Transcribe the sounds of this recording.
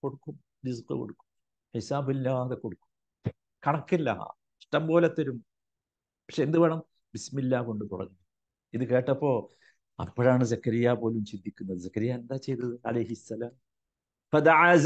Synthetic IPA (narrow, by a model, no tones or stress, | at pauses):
koɽukːum | ɾizqɨ̰ko̰ɽukːu̥m | ħisaːbilːaːðekːoɽukːu̥m | kɐɳɐkːilːɐ̰ | ʂʈɐmbo̞ːlet̪ːɐɾum | pɐkʂeend̪ɨʋɐɳɐm | bismilːaːko̞ɳɖɨt̪urɐ̰ɲːuɐ | iðɨke̞ːʈːɐpːo̞ː | ɐ̰pːɐɻaːɳɨzɐkːɐɾijaːpo̞ːlumt͡ɕinːikʲːunːɐðɨzɐkːɐɾijaend̪aːt͡ɕe̞jt̪ːɐðɨɐ̰lɐjɦisːɐlaːm | fɐd̪ɐʕaːz